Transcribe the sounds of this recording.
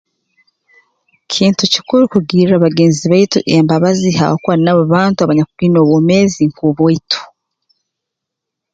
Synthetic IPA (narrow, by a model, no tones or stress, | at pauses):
cʰiːntuci̥kuɾukuɡiːɾaβaɡeːnziβaituʔembaβaziha̰wokuaɾinaβaβaːntuaβaɲakuɡino̞ːβomeːziŋkuβoitʰu̥